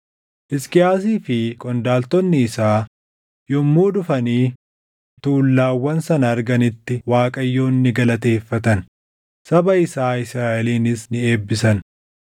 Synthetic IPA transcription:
ʔɪskɪjaːs̬iːfɪkʼɔnd̪aːlt̪ɔnːɪːsaː | jɔmːuːd̪ʊfɐniː | t̪uːlːaːwːɐnsɐnɐːɾɡɐnɪt̪ːɪwaːkʼɐjːoːnːɪɡɐlɐt̪e̞ːfːɐt̪ɐn | sɐbɐɪsaːɪsɾaːʔɛliːnɪsnɪe̞ːbːɪsɐn

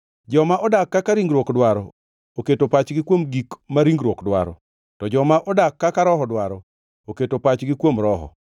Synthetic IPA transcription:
d͡ʒɔmaʔɔdakːakaɾiŋɡɾwokdwaɾɔ | oketopat͡ʃɡɪkwomɡikmaɾiŋɡɾwokdwa̰ɾɔ̰ | tɔd͡ʒɔmaʔɔdakːakaɾɔhɔdwaɾɔ | oketopat͡ʃɡɪkwomɾɔɦɔ̰

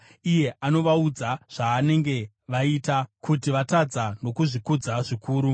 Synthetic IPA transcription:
ije̞ʔano̞ʋaud͡zaʐ̥aːne̞ŋɡe̞ | ʋaitakutiʋatad͡zano̞kuʐikud͡zaʐikuːɾu

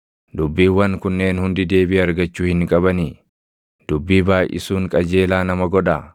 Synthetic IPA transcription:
d̪ʊbːiːwːɐŋkʊnːe̞ːnhʊnd̪ɪd̪e̞ːbɪʔɐɾɡɐt͡ʃːuːhɪŋkʼɐbɐni | d̪̥ʊbːiːbaːjʔɪ̰suːŋkʼɐd͡ʒe̞ːlaːnɐmɐɡɔᶑɐ

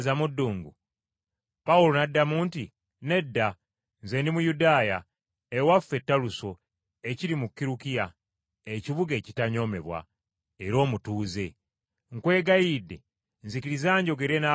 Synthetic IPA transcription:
zamudːuːŋɡu | pawulonadːamuːnti | ne̞dːa | nzenimujudaːja | ewafe̞tːaluso̞ | eciɾimukːiɾukija | eciβuɡe̞ːcitaɲo̞ːme̞̰βwa̰ | eɾo̞ːmutuːze̞ | ŋkwe̞ːɡajide̞ | nzikiɾizaːɲɟo̞ɡe̞ɾe̞na

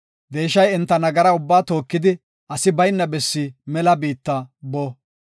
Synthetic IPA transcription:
d̪e̞ːʃːɐjɛnt̪ːɐnɐɡɐɾɐʊbːaːt̪o̞ːkːɪd̪ɪ | ʔɐsɪbɐjnːɐbɛsːimɛlɐbiːt̪ːɐboː

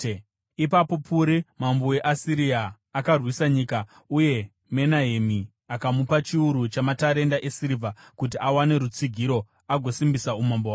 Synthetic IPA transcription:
ipapo̞pʰuɾimamboweʔasiɾiaː | karwisaɲiːka | uje̞ | me̞naɦemi | akamupat͡ʃiuɾut͡ʃamataɾe̞ndaʔesiɾivʱakutiʔawane̞ɾut͡siɡʱiɾo̞ | aɡʱo̞simbisaumambowaː

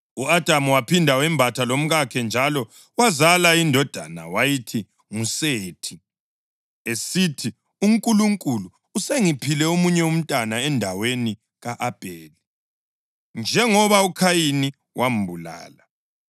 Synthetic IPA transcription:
uad̥ʱamuwapʰindʱawɛmbʱatʰalom̩ɣakʰɛnd͡ʒʱalɔ | wazalaindʱɔd̥ʱana̰wajitʰi | ŋuseːtʰi | esitʰi | uŋkʼuluŋkʼuluːseŋipʰilɛomuɲɛum̩tʼanaɛndʱaweni | ɣaʔab̥ʱeːli | nd͡ʒʱɛŋɔβaukʰajini | wʔam̩bʱula̰ːla

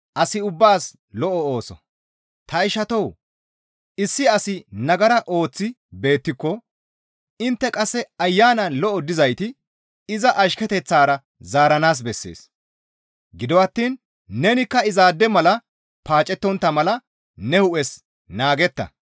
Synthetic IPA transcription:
ʔɐsɪʊbːaːs | lɔʔɔo̞ːsɔ̰ | t̪ɐɪʃɐt̪ɔw | ɪsːɪɐsɪnɐɡɐɾɐʔo̞ːt͡sːɪ | be̞ːt̪ːɪkːɔ | ɪnt̪ːɛkʼɐsːɛɐjːaːnɐnlɔʔɔd̪ɪzɐjt̪ɪ | ɪzɐʔɐʃkɛt̪ɛt͡sːaːɾɐ | zaːɾɐnaːs̬bɛsːḛːs | ɡɪd̪ɔwɐt̪ːiːnː | ɛnɪkːɐɪzaːd̪ːɛmɐlɐ | paːt͡ʃʼɛt̪ːɔnt̪ːɐmɐlɐ | nɛhʊʔɛs | naːɡɛt̪ːɐ̰

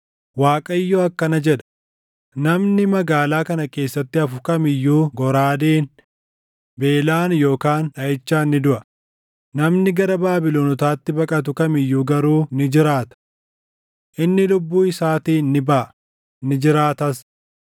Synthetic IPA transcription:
waːkʼɐɪjːoɐkːɐnɐd͡ʒɛᶑɐ̥ | nɐmnɪmɐɡaːlaːkɐnɐke̞ːsːɐt̪ːɪɐfʊkɐmɪjːuːɡɔɾaːd̪eːn | be̞ːlaːnjo̞ːkaːnɐʔɪt͡ʃːaːnːɪd̪ʊʔɐ | nɐmnɪɡɐɾɐbaːbɪloːnɔt̪aːt̪ːɪbɐkʼɐt̪ʊkɐmɪjːuːɡɐɾuːnɪd͡ʒɪɾaːt̪ɐ̥ | ʔɪnːɪlʊbːuːɪsaːt̪iːnːɪbɐɐ | nɪd͡ʒɪɾaːt̪ɐs

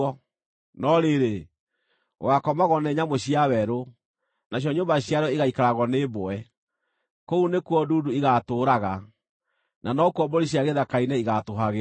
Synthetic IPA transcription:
ɔ | nɔɾeɾe | wakɔmaɣɔnɛɲamoɕiawɛɾo | naɕ̬jɔɲoːmbaɕjaɾɔiɣaikaɾaɣɔneboɛ | kounekuɔduduiɣatoːɾaɣa | nanɔkuɔboɾiɕiaɣeðakainɛiɣatoɦaɣe

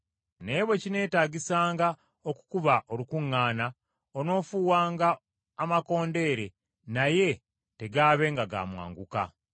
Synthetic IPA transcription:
ne̞ːβwe̞cine̞ːtaːɟisaːŋɡa | oku̥kuβaʔolukuŋːaːna | ono̞ːfuːwaːŋɡaː | mako̞ːnde̞ːɾe̞ | naje̞ | te̞ɡaːβe̞ːŋɡaɡa̰ːmwa̰ːŋɡuka̰

